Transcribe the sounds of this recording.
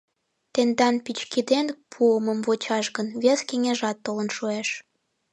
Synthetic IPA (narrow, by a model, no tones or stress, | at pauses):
t̪end̪ɑnpit͡ɕkid̪enpʰuəməmβot͡ɕɑʃɣənβeskeŋeʒɑt̪ːolənʃueʃ